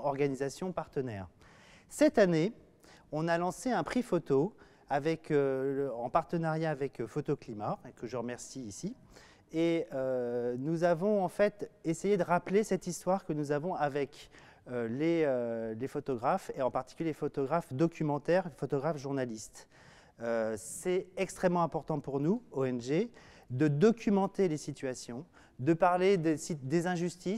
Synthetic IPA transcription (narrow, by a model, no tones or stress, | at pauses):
ɔʁɡanizasjɔ̃paʁt̪ənɛːʁ | sɛt̪ane | ɔ̃nalɑ̃seɛ̃pχifot̪o | avɛkøɑ̃paʁt̪ənaʁjaːvɛkfot̪oklimakəʒəʁəmɛʁsiːsi | eønuzavɔ̃ɑ̃fɛt̪esejed̪əʁaplesɛt̪ist̪waʁkənuzavɔ̃avɛk | øleølefot̪ɔɡʁafeɑ̃paʁt̪i̥kʲyljefot̪ɔɡʁafd̪ɔkʲʰymɑ̃t̪ɛʁfot̪ɔɡʁafʒuʁnalist̪ | øsɛɛkst̪χɛmːɑ̃ɛ̃pɔʁt̪ɑ̃puʁnuoɛnʒe | d̪əd̪ɔkʲʰymɑ̃t̪elesit̪ɥasjɔ̃ | d̪əpaʁled̪esid̪ezɛ̃ʒyst̪is